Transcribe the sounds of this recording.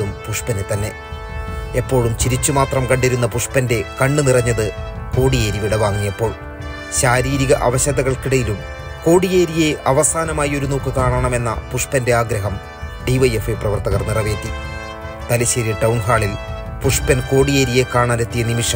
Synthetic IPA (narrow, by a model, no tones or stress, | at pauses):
umpuʂpɐnɨt̪ɐnːe̞ | epːo̞ːɻumt͡ɕiɾit͡ɕːumaːt̪rɐmkɐɳɖiɾunːɐpuʂpɐnde̞kɐɳɖɨnirɐɲːɐðɨko̞ːɽijeːɾiʋiɽɐʋaːŋːijepːo̞ːɭ | ɕaːɾiːɾiɣɐʔɐʋɐɕɐðɐɣɐɭkiɽɐjilum | ko̞ːɽije̞ːɾije̞ʔɐʋɐsaːnɐmaːjɐo̞ɾuno̞ːkːɨkaːɳɐɳɐme̞nːɐ̰puʂpɐnde̞aːɡɾɐɦɐm | ɖiʋɐjefɐprɐʋɐrt̪ɐɣɐrnirɐʋe̞ːt̪ːi | t̪ɐliɕeɾijɐʈɐwɳɦaːɭil | puʂpɐnko̞ːɽije̞ːɾije̞kaːɳaːne̞t̪ːijɐnimiʂɐ